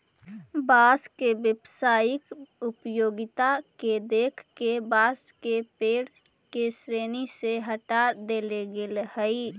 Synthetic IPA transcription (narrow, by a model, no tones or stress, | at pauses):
baskebjəbsaːjɪkupjoːɡɪt̪aked̪ekʰkebaskepeːɽ | kesɾeːniseɦəʈad̪eleɡelhəi